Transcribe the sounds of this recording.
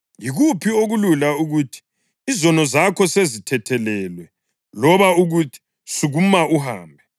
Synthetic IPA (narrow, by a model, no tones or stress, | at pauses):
jiɣupʰioɣululauɣuːtʰi̥ː | zɔnɔzakʰɔsezitʰɛtʰɛlɛːlwɛ | lɔβauɣutʰi̥ | suɣumauha̰ːmbʱɛ